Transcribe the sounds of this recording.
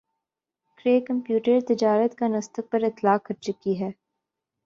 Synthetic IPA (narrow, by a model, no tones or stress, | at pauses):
kɾeːkɐ̃mpjuːʈəɾt̪ɪd͡ʒaːɾət̪kanɐst̪ək̚pɐɾɪt̪laːkːɐɾt͡ʃʊkiɦɛː